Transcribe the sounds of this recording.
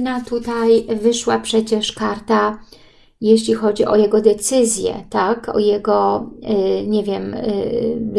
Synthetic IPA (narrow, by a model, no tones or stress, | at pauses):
nat̪ut̪ajvɘʂwapʂɛt͡ɕɛʂkaɾt̪a | jeɕlʲixɔd͡ʑiʔɔjɛɡɔd̪ɛt̪sɘzʲjɛ̰t̪akɔ̰jɛɡɔ | ɲɛvʲjɛm